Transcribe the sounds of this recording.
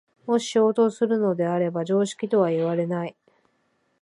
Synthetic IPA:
mo̞ɕi̥o̞ːt̪o̞sɨɾɯ̟no̞d̪e̞aɾe̞baʑo̞ːɕi̥kʲit̪o̞β̞aiβaɾe̞nai

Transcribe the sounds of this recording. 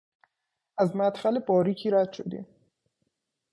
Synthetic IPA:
æzmæt̪xælebɒːɾiːcʰiːɾæd̪̥ʃod̪ḭːm

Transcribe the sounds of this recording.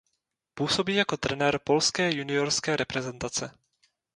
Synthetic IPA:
puːso̞biːjako̞t̪ɾɛnɛːɾpo̞lskɛːjunɪoɾskɛːɾʔɛpɾɛzɛnt̪at͡sɛ

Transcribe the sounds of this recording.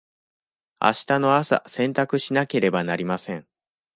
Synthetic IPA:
a̰ɕi̥t̪ano̞asa̰sẽ̞nt̪akɯ̟ɕinake̞ɾe̞banaɾʲimasẽ̞ɴ

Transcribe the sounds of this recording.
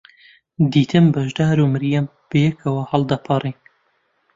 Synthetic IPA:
d̪iːt̪ʰɨmbɐʒd̪aːɾuːmɨɾjɛm | b̥ɨjɛkʰɐwɐhɐlˠd̪ɐpʰɑriːn

